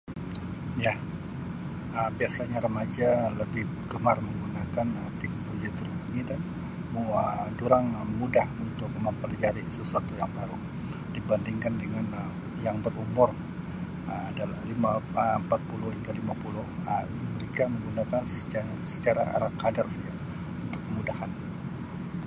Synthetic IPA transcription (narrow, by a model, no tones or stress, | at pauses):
ja | əmbiasaɲaɾəmad͡ʒaləbɪhɡəmarməŋɡunakanət̪ɛk̚noloɡit̪ərɡida | muəduɾaŋmudahunt̪ʊk̚məmpəlad͡ʒaɾisəsuat̪ujaŋbaɾu | d̥ibandiŋkandəŋanə | jaŋbərumʊr | əmadalahlimaəəmpat̪̚pulʊhhiŋɡalimapulʊhəməɾekaməŋɡunakansə̥a | sə̥t͡ʃaɾa̰a̰ɾakadarja | unt̪ʊkːəmudahan